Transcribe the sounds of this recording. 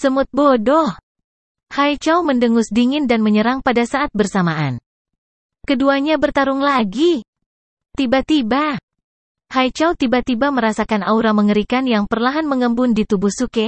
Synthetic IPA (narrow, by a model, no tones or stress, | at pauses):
səmʊt̪̚bodɔh | hajt͡ʃawməndəŋʊsdiŋɪndanməɲəɾaŋpadasaat̪̚bərsamaʔan | kəduaɲabərt̪aɾʊŋlaɡi | t̪ibat̪iba | hajt͡ʃawt̪ibat̪ibaməɾasakanauɾaməŋəɾikanjaŋpərlaɦanməŋəmbʊndit̪ubʊhsuke